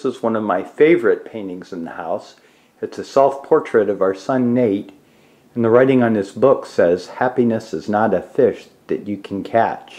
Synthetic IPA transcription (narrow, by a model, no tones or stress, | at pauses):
səzwʌ̃nʌvmaɪfeɪvə˞ɨt̚pʰẽɪ̃ntɪ̃ŋzɨ̃nðə̰haʊs | ɨtsɨsɛlˠfpʰɔɹt͡ʃɹ̥ɨɾʌvaʊə˞sʌ̃nːeɪɾ̃ | nðəɹaɪɾɪ̃ŋə̃nðɨsb̥ʊksɛz̥hæpinɨsɨznəɾɨfɪʃ | ðɨt͡ʃɨkʰn̩kʰæ̰t͡ʃ